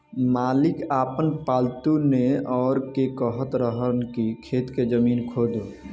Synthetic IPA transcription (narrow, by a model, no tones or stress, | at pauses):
malikaːpənpaːlt̪uneɔːɾkekəɦət̪ɾəɦənkikʰeːt̪ked͡ʒəmiːnkʰod̪e